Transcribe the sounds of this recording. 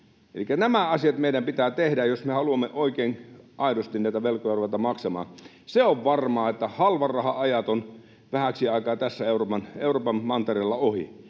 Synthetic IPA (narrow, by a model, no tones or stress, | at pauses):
ḛlikːænæmæɑsiɑt̪meidæmpit̪æːt̪ehdæjjosmehɑluɑmːeʔoikeːnʔɑˑidost̪innæˑit̪æʋelkˑojɑruʋɑt̪ɑmɑksɑmɑ̰ːn | seoʋʋɑrmɑːet̪ːæhɑlʋɑrrɑhɑɑjɑt̪on | ʋæhæksiɑˑikɑːt̪æsːæeuropɑneˑuroːpɑmmɑnt̪erelːɑohḭ